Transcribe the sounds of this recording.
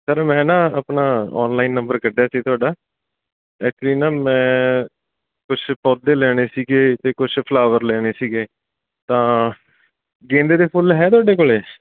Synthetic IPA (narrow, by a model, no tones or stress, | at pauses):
səɾmɛ̃ːnãːəpnaːɔ̰ːnlaːiːnːəmbəɾkəɖjaːsiːt̪ʰʊaːɖaː | ɛːkt͡ʃliːnaːmɛ̃ː | kʊt͡ʃʰpɔːd̪eːlɛːɽ̃eːsiːɡeːt̪eːkʊt͡ʃʰpʰlaːʋəɾlɛːɽ̃eːsiːɡeː | t̪ãː | ɡẽːnd̪eːd̪eːpʰʊlɦɛːt̪ʊwaːɖeːkoːleː